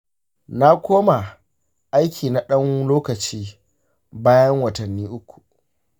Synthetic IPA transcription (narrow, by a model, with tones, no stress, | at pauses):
na˦kʷoː˦ma˨ | ʔa˦jkʲʰiː˨na˦ɗɐ˦ŋloː˦kɐ˨t͡ʃiː˦ | baː˦jɐ˦ŋwɐ˨tɐ˨nːiː˦ʔʊ˦kʷu̥˨